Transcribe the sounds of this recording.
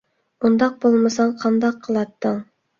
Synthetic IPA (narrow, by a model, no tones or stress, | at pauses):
und̪ɑq̚bolˠmɨsɑɴqʰɑnd̪ɑqʰːəlˠɑt̪ːəŋ